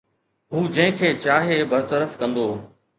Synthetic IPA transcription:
ɦuːd͡ʑɐ̃ɦɪ̃kʰeːt͡ɕaːɦebəɾt̪əɾəfkɐ̃nd̪oː

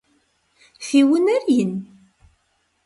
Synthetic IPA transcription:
fiwənæɾjən

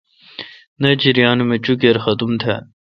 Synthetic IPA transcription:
nɐd͡ʑiɾijaːnumet͡ɕukeɾxɐt̪umt̪ʰeː

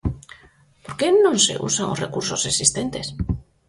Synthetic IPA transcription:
po̞ɾkenõnse̞̰ʔṵsaŋosrekuɾso̞seksist̪ent̪e̞s

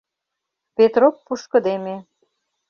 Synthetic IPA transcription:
pet̪ropːuʃkɤ̆d̪eme

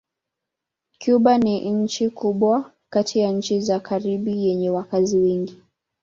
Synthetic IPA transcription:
kjuɓaniɲ̩t͡ʃikuɓwa | katʰijaɲ̩t͡ʃizakaɾiɓijɛɲɛwakaziwɛŋɡi

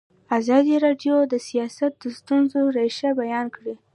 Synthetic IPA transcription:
azɑd̪iɾɑɖjod̪əsijɑsat̪̚d̪əst̪unzoɾeʃabajɑnkɽi

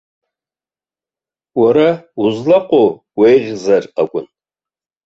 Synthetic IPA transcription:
wɐɾɐuzlɐqʷʼo | wejʁʲzɐrɐkʷʼʊn

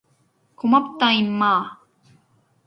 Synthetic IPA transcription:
kʰʊmap̚t̪aimːaː

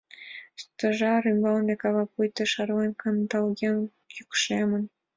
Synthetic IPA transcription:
st̪ɤ̆ʐɑrymbɑlnʲekɑβɑpujt̪ɤ̆ʂɑrlɑnʲkɑnd̪ɑlˠɡʲen | jukʂemə̆n

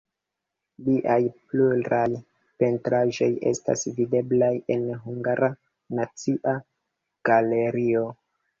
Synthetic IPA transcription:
liʔajpluɾaj | pe̞ntɾaʒo̞je̞̰sta̰svide̞blaje̞nɦuŋɡaɾa | nat͡siʔa | ɡ̥ale̞ɾio̞

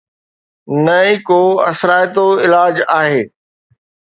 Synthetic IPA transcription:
nɐikoːɐ̰sɾaːjt̪oɪlaːd͡ʑaːɦeː

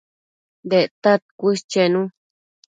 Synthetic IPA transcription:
d̪et̪at̪̚kʷist͡ʃenũ

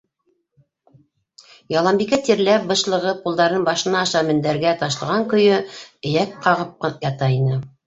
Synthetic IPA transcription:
jɑlˠɑmbikæt̪iɾlæp̚bɤ̆ʃlˠɤ̆ʁɤp̚pulˠd̪ɑɾnɤnbɑʃɤ̆nɑːʃɑmɘ̆nd̪æɾɡæt̪ɑʃlˠɤ̆ʁɑŋkɵ̆jɵɘ̆jækqɑʁɤp̚qjɑt̪ɑinɤ

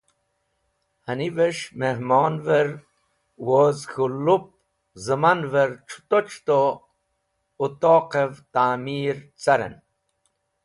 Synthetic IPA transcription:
hɐniveʂmehmoːnveɾ | woːzxulːup̚ | zɨmanveɾt͡ʃʰu̥t̪ot͡ʃʰt̪o | ut̪oːqevt̪aːmiːɾt͡sɐɾḛn

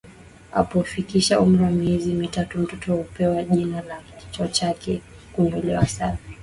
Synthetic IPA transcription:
a̰pɔfikiʃaʔum̩ɾiwamiɛzimitatum̩tɔtɔupɛwaʄinalakit͡ʃɔt͡ʃakʰɛ | kuɲɔlɛwasana

